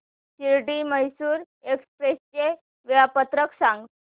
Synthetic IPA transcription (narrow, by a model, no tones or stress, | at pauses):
t͡ɕiɾʈiməɦsuːɾ | ekspɾest͡ɕe | ʋiɭapət̪ɾəksãŋɡ